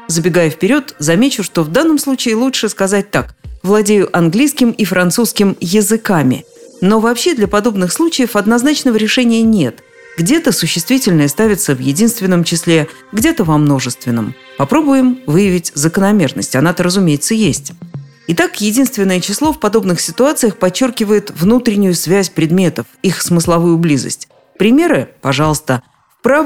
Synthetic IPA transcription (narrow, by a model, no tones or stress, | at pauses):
zəbʲɪɡajʊfpʲɪɾʲo̞t̪zɐmʲet͡ɕʊʂt̪o̞vd̪anːəmslˠut͡ɕɪɪlˠutʂɨskɐzat̚ʲt̪akvlˠɐdʲejʊʔɐnɡlʲijskʲɪmifɾʔɐnt̪suskʲɪmjɪzɨkamʲɪ̰ | no̞vɐpɕːed̪lʲəpɐd̪o̞bnɨxslˠut͡ɕɪjəfɐd̪nɐznat͡ɕnəvəɾʲɪʂɛnʲɪjənʲe̞t̪ | ɡdʲe̞t̪əsʊɕːɪst̪vʲitʲɪlʲnəjəst̪avʲɪt̪səvjɪdʲinst̪vʲɪnːəmt͡ɕɪslʲe | ɡdʲe̞t̪əvɐmno̞ʐɨst̪vʲɪnːəm | pɐpɾo̞bʊjɪmvɨjɪvʲɪtʲzəkənɐmʲe̞rnə̰sʲtʲɐnat̪əɾəzʊmʲejɪt̪səjesʲtʲ | ɪt̪akjɪdʲinst̪vʲɪnːəjət͡ɕɪslˠo̞fpɐd̪o̞bnɨxsʲɪt̪ʊat̪sɨjəxpɐt͡ɕːo̞rkʲɪvəjɪt̪vnut̪ɾʲɪnʲɪjʊsvʲæsʲpɾʲɪd̪mʲe̞t̪əfixsmɨslˠɐvujʊblʲizə̰sʲtʲ | pɾʲɪmʲe̞ɾɨpɐʐɑlˠəst̪ə | fpɾa